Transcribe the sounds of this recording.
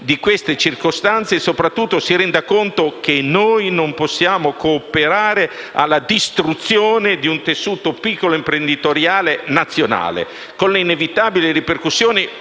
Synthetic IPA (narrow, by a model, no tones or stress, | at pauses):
d̪ikwest̪et͡ʃirkost̪ant̪sesopɾat̪ːut̪ːosiɾɛnd̪akont̪ok̟enojnomposːjaːmokoːpeɾaːɾe | a̰lːad̪ist̪ɾut̪sːjoːned̪iunt̪esːuːt̪opikːoloimpɾend̪it̪oɾjaːlenat̪sːjona̰ːlḛ | konleinevit̪aːbiliriperkusːjoːni